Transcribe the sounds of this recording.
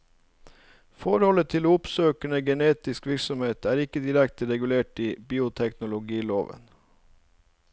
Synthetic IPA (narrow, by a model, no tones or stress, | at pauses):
fɔɾhɔlət̪ʰɪlʊpsøːkəɳəɡɛneːt̪ɪskʋɪɾksɔmheːt̪ʰæːɾɪkəd̪ɪɾɛkt̪əɾɛɡʉleːʈiːbiːʊt̪ʰɛknʊlʊɡiːloːʋə̰n